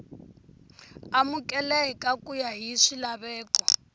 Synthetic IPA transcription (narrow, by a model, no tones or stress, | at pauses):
amukʼɛlɛɦɛkʼakʼujaɦiʂilaβɛːkɔ